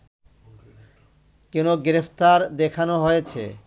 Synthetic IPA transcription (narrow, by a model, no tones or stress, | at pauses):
kinoɡɾepʰt̪aɾd̪ekʰanoɦojet͡ɕʰḛ